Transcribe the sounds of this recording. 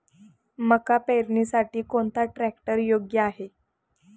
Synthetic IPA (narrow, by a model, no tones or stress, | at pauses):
məkapeɾɳiːsaʈiːkoɳt̪aʈɾæk̚ʈəɾjoɡjəaɦe